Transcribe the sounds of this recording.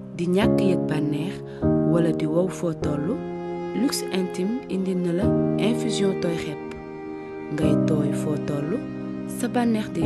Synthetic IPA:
diɲakːəjɛk̚banːɛːʁ | wɐlɐdiwɐwfɔtɔlːu | lyksɛ̃ntimindinəlɐɛ̃fyzjɔ̃tɔːjxɛpː | ŋɡɐjtɔːjfɔtɔlːu | sɐbanːɛːʁdi

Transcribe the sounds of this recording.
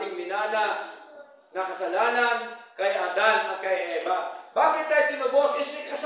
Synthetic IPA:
ɪŋmɪnaːna | ŋɐkɐsɐlaːnɐnkɐjʔad̪anɐt̪̚kɐjʔɛːbab̥aːkɪt̪̚kajd̪ɪmɐbosɪsɪkɐs

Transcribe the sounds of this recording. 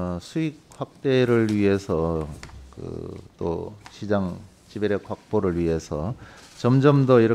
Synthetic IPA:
sʰuik̚ɸwak̚t͈eɾɯɭɥiɦe̞sʰʌkɯ̰t͈o̰ɕʰid͡ʑaŋ | t͡ɕibeɾekhak̚p͈oɾɯɭɥiɦe̞sʰʌt͡ɕʌmd͡ʑʌmdʌiɾʌ

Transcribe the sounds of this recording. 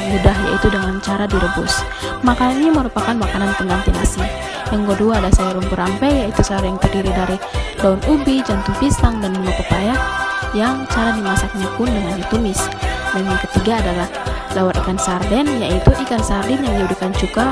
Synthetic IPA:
mudahja̰it̪udəŋant͡ʃaɾadiɾəbʊ̰s | makananɲaməɾupakanmakanant̪əŋant̪inasi | jaŋɡoduaːdasajaɾuŋkuɾampɛjjait̪usaɾjaŋt̪ərdiɾidaɾilaunubid͡ʒant̪uŋfist̪aŋdanməpərt̪ajajaŋt͡ʃaɾadimasak̚ɲapʊndəŋanit̪umɪsnaimjakət̪iɡaːdalah | lawaɾikansardɛnjait̪uʔikansardɛnjaŋdiudukant͡ʃuɡa

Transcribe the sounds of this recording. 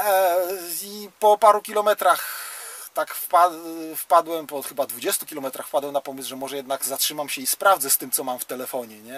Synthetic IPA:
ipɔpaɾukʲilɔmɛt̪ɾaxt̪akfpafpad̪wɛmpɔxɘbad̪vud͡ʑɛst̪ukʲilɔmɛt̪ɾaxfpad̪wɛwnapɔmɘsʐɛmɔʐɛjɛd̪naɡzatʂɘmamɕɛispɾavd̪zɛst̪ɘmt̪sɔmamft̪ɛlɛfɔɲɛɲɛ

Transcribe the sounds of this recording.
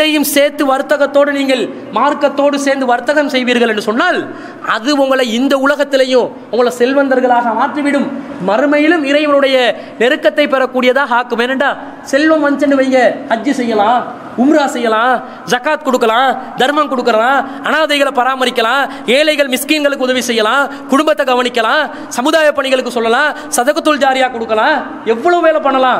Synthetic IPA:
ɾɐjɯmseːɾt̪ːɯʋɐɾɯt̪ːɐɣɐt̪ːoːɽɯniːŋɡɐɭ | maːɾkɐt̪ːoːɽɯseːɾnd̪ɯʋɐɾɯt̪ːɐɣɐmsɛjʋiːɾɣɐɭɛnɖɯsɔnːaːl | ɐðɯʊŋɡɐɭɐɪɪnd̪ɐʊlɐɣɐt̪ːɪlɐjʊ̃ | ʊŋɡɐɭɐsɛlʋɐnd̪ɐɾɣɐɭaːɣɐmaːʈriʋɪɽɯmmɐɾɯmɐjɪlɯmɪɾɐjmɐnɯɽɐjɐ | nɛɾɯkːɐt̪ːɐɪpːɛɾɐkːuːɽɪjɐðaːɦaːkːɯmeːnːɛɳɖaː | sɛlʋɐmʋɐnt͡ʃɛɳɖɯʋɐjŋɡɐkɐd͡ʒisɛjːɐlãː | ʊmɾaːsɛjːɐlãː | d͡ʒɐkaːt̪̚kɔɽɯkːɐlãːd̪ɐɾmɐnkɔɽɯkːɯɾɐlãː | ɐnaːðɐɪɣɐɭpɐɾaːmɐɾɪkʲːɐlãː | eːlɐɪɣɐɭmɪskiːnɡɐɭɯkːɯʊðɐʋisɛjːɐlãː | kʊɽʊmbɐt̪ːɐɡɐʋɐnɪkːɐlãː | sɐmɯðaːjɐpːɐɳɪɣɐɭɯkːɯsɔlːɐlãː | sɐðɐɣɐt̪ːɯld͡ʒaːɾɪjaːkɔɽɯkːɐlãː | ɛʋːɐɭɐʋɯʋeːlɐpɐɳːɐlãː

